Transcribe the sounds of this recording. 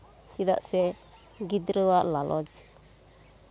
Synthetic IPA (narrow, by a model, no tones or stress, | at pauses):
t͡ʃida̰ʔsɛ | ɡidɾəwaʔlalʔɔ̰d͡ʒ